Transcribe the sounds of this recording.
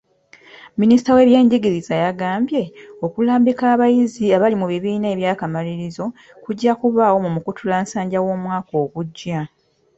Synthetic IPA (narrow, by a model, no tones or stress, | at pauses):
minisi̥tawe̞ːβje̞ːɲɟeɡiɾizajaɡaːmbje̞o̞kulaːmbikaːβajiziaβalimuβiβiːne̞ːβjaːkamaliɾizo̞ | kuɟːakuβaːwo̞mumukutʰulaːnsaːɲɟawo̞ːmwaːko̞ːβuɟːa